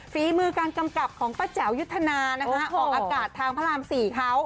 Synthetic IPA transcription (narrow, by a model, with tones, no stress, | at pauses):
fiː˨˦mɯː˧kaː˧nka˧mka˨˩p̚kʰɔː˩˦ŋpaː˧˥t͡ɕɛ˩˦wju˦˥t̪ʰːa˧naː˧na˦˥kʰa˦˥ʔɔː˨˩k̚ʔaː˧kaː˨˩t̪ʰːaː˧ŋpʰa˧ɾaː˧msiː˨˩kʰa˦˥w